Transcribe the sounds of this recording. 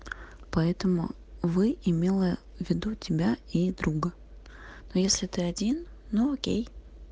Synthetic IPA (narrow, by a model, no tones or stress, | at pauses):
pɐɛt̪əmʊ̰ | vɨɪmʲe̞lˠə | vʲːɪd̪utʲɪbʲaid̪ɾuɡə | nojesʲlʲɪt̪ɨɐdʲinː | uokʲḛj